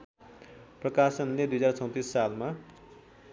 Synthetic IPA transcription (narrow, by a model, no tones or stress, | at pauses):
prʌkasʌnled̪ujʌd͡zart͡sʰʌw̃t̪isːalma